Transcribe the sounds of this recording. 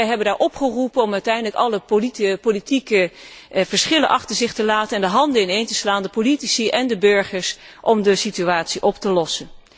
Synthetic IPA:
ɛjɦɛbəndaːɹʔɔpχərupənɔmœɥtɛjndələkɑləpopolitikə | v̥əɹsχɪləʔɑχtəɹzɪχtəlaːtənɛndəɦɑndəɪnejntəslaːndəpolitisiʔɛndəbøɹχəɹs | ʔɔmdəsityaːtsiʔɔptəlɔsən

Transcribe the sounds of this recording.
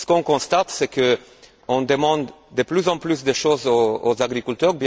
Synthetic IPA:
sə̥kɔ̃kɔ̃st̪at̪sɛkə | ɔ̃d̪əmɑ̃d̪d̪əplyzɑ̃plysd̪əʃozoozaɡʁikʲylt̪œʁbj

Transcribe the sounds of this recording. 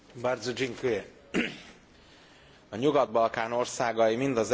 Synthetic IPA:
bard̪zod͡ʒiŋkøje | ɒɲuɡɒd̪̚bɒlkaːno̞rsaːɡɒimind̪ɒz

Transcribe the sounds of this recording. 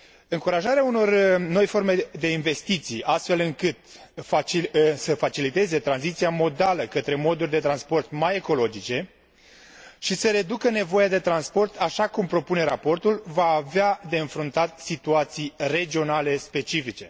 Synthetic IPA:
ɨŋkuɾaʒaɾeauno̞rno̞jfo̞rme̞d̪e̞inve̞st̪it̪sijast̪fe̞lɨŋkɨt̪fasəfat͡ʃilit̪e̞ze̞t̪ɾanzit̪sijamo̞d̪aləkət̪ɾe̞mo̞d̪urʲd̪e̞t̪ɾanspo̞rt̪maje̞ko̞lo̞d͡ʒit͡ʃe̞ | ʃisəɾe̞d̪ukəne̞vo̞jad̪e̞t̪ɾanspo̞rt̪ʰaʃakumpɾo̞pune̞ɾapo̞rt̪ulvaːvead̪e̞ɨnfɾunt̪at̪sit̪uat̪sijre̞d͡ʒio̞nale̞spe̞t͡ʃifit͡ʃe̞

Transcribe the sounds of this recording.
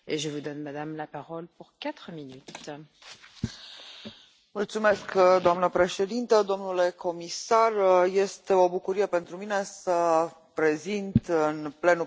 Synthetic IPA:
eʒəvud̪ɔnmad̪amlapaʁɔlpuʁkat̪χminyt̪ | mult̪sume̞skd̪oamnəpɾe̞ʃe̞d̪int̪əd̪o̞mnule̞ko̞misarje̞st̪e̞o̞bukuɾijepent̪ɾumine̞sə | pɾe̞zint̪ɨnple̞nu

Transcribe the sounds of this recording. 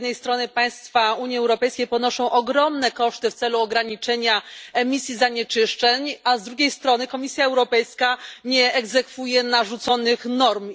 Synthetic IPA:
d̪nɛjst̪ɾɔnɘpaj̃st̪fauɲjiɛwɾɔpɛjskʲejpɔnɔʂɔ̃w̃ʔɔɡɾɔmnɛkɔʂt̪ɘft̪sɛluɔɡɾaɲit͡ʂɛɲaɛmʲisʲjizaɲɛt͡ʂɘʂt͡ʂɛɲazd̪ɾuɡʲejst̪ɾɔnɘkɔmʲisʲjaɛwɾɔpɛjskaɲɛɛɡzɛkfujɛnaʐut̪sɔnɘxnɔɾm

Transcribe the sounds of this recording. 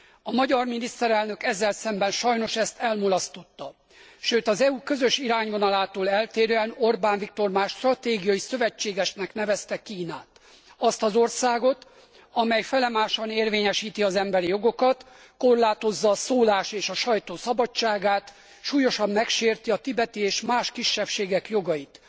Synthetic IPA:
ɒmɒɟɒrminist̪ɛɾɛlnø̞kɛzːɛlsɛmbɛnʃɒjno̞ʃɛst̪ɛlmolɒst̪o̞t̪ːɒ | ʃøːt̪ɒzɛuːkø̞zøʃiɾaːɲvo̞nɒlaːt̪oːlɛlt̪eːɾøɛno̞rbaːnvik̚t̪o̞rmaːʃt̪rɒt̪eːɡijɒjisø̞vɛt͡ʃːeːɡɛʃnɛkn̪ɛvɛst̪ɛkiːnaːt̪ | ɒst̪ɒzo̞rsaːɡo̞t̪ | ɒmɛjfɛlɛmaːʃɒneːrveːɲɛʃiːt̪iɒzɛmbɛɾijo̞ɡo̞kɒt̪ | ko̞rlaːt̪o̞zːɒːsoːlaːʃeːʃɒʃɒjt̪oːsɒbɒt͡ʃːaːɡaːt̪ | ʃuːjo̞ʃɒmːɛkʃeːrt̪iɒt̪ibɛt̪ieːʃmaːʃkiʃːɛpʃeːɡɛkjo̞ɡɒjit̪

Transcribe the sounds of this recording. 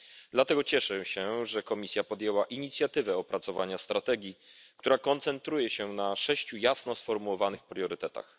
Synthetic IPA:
d̪lat̪ɛɡɔt͡ɕɛʂɛɕɛʐɛkɔmʲisʲjapɔd̪ʲjɛwaʔiɲit̪sʲjat̪ɘvɛɔpɾat̪sɔva̰ɲast̪ɾat̪ɛɡʲjikt̪uɾakɔnt̪sɛnt̪ɾujɛɕɛnaʂɛɕt͡ɕujasnɔsfɔɾmuwɔvanɘxpɾjɔɾɘt̪ɛt̪a̰x

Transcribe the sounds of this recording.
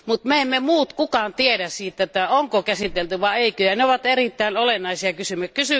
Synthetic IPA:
mut̪meemːemuːt̪kukɑnt̪iedæssiːt̪ːet̪ːæoŋkokæsit̪elt̪yʋɑeˑikøjæneoʋɑt̪erit̪ːæˑinolenːˑɑˑisiɑkysymːækysy

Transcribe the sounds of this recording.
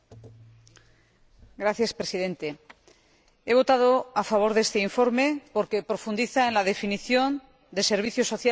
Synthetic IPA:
ɡɾaθjaspɾesið̞e̞nt̪e̞ | e̞β̞o̞t̪að̞o̞afaβ̞o̞ɾðest̪e̞iɱfo̞ɾme̞po̞ɾkepɾo̞fund̪iθaenlað̞e̞finiθjo̞n | d̪e̞se̞ɾβ̞iθjo̞so̞θja

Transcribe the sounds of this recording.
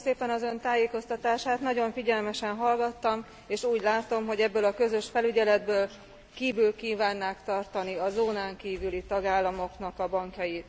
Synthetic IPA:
seːpɛnɒzø̞nt̪aːjeːko̞st̪ɒt̪aːʃaːt̪nɒɟo̞ɱfiɟɛlmɛʃɛnɦɒlɡɒt̪ːɒm | eːʃuːɟlaːt̪o̞mɦo̞ɟɛbːøːlɒkø̞zø̞ʃfɛlyɟɛlɛd̪bøːl | kiːvylkiːvaːnːaːkt̪ɒrt̪ɒniɒzoːnaːŋkiːvylit̪ɒɡaːlːɒmo̞knɒkɒbɒŋkjɒjit̪

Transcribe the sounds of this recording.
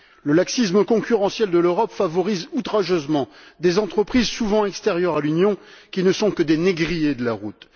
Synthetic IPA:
ləlaksisməkɔ̃kʲyʁɑ̃sjɛld̪əløʁɔpfavɔʁizut̪χaʒøzmɑ̃d̪ezɑ̃t̪χəpχizsuvɑ̃ɛkst̪ɛʁjœʁalynjɔ̃kʲinəsɔ̃kəd̪eneɡʁijed̪əlaʁut̪

